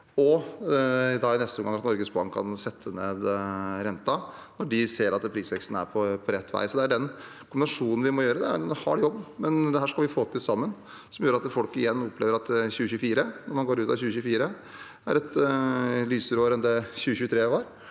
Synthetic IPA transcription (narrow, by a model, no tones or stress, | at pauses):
ɔ | ɪd̪ɑːɪnɛst̪əɔmɡɑŋːɑt̪nɔɾɡəsbɑ̰ŋkʰɑ̰nsɛt̪ʰːəneːd̪ɾɛnt̪ɑnɔɖɪseːɾɑt̪pʰɾiːsʋɛkst̪nəæ̰ɾpʰɔpʰɔɾɛt̪ʰːʋæ̰ɪsɔd̪ɛæɖɛn | kʰʊmbɪnɑʂuːnn̩ʋɪmɔjøːɾəd̪ɛæɾnɔhɑ̰ɖɛjɔbːmɛnd̪ɛɦæːʂkɑlʋɪfoːt̪ʰɪlsɑmːən | sɔmjøːɾɑt̪fɔlkɪjɛnːɔpʰleːʋəɾɑt̪çʉːəçʉːfiːɾənɔmɑnɡoːɾʉːt̪ɑçʉːəçʉːfiːɾə | æ̰ɾɛt̪ | lyːsəɾoːɾɛnd̪ɛçʉːəçʉːət̪ʰɾeːʋɑːɾ